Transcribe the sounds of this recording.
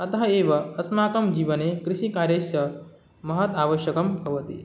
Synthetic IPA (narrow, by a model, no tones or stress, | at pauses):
ɐt̪ɐɦɐeːʋɐɐsmaːkɐmd͡ʒiːʋɐneːkɾiʃikaːɾjɐʃjɐ | mɐɦɐt̪aːʋɐʃjɐkɐmbʱɐʋɐt̪ḭ